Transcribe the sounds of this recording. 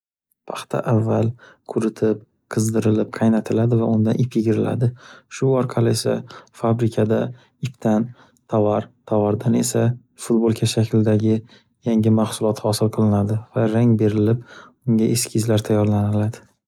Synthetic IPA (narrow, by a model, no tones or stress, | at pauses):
pʰḁχt̪ʰa̰ʔavːalkʰʊɾɪt̪ʰɪp̚ | qʰɨzd̪ɪɾɪlɪp̚qʰɑjnat̪ʰɪlad̪ɪvaʊnd̪anʔɪpʰjɪɡʲɪɾɪla̰d̪ɪʃʊɒɾqʰɑlɪe̞sa̰fabɾɪkʲʰad̪a | ɪpt̪ʰan | t̪ʰavaɾt̪ʰavaɾd̪ane̞sa | fʊt̪bolˠkʲʰaʃakʲʰld̪aɡʲɪ | jaŋɪmahsʊlˠɒt̪hɒsɪlˠqʰɨlˠɪnad̪ɪvaɾaŋbe̞ɾɪlɪp̚ | ʊŋɡʲaʔeskʲʰɪzlaɾt̪ʰajːɒɾlanɪlad̪ɪ